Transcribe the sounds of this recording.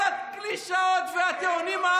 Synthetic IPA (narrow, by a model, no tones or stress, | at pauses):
at̪kliʃaot̪veat̪eunima